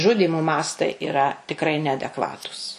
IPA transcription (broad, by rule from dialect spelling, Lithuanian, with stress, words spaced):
ˈʒʊdʲiːmoː ˈmɑːstɐɪ ɪˈrɐ tʲɪkˈrɐɪ nʲɛɐdʲɛkˈʋɑːtuːs